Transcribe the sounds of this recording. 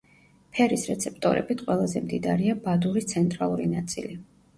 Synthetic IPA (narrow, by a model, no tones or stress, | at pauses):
pʰɛɾisɾɛt̪sʰɛp̚ʰt̪ʼɔ̰ɾɛ̰bit̪ʰqʼwɛlˠazɛmd̪id̪aɾiabad̪uɾit̪sʰɛnt̪ʼɾalˠuɾḭnat̪sʼḭli